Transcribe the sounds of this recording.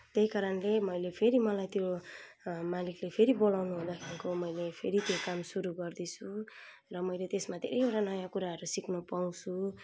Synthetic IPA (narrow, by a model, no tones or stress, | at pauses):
t̪ejkaɾʌnlemʌjlepʰeɾimʌlajt̪jo | maliklepʰeɾibolawnuɦod̪akʰiɾikomʌjlepʰeɾit̪jokamsuɾuɡʌrd̪isʰu | rʌmʌjlet̪esmad̪ʱḛɾejoʈanʌjakuɾaɦʌɾusiknʌpaw̃su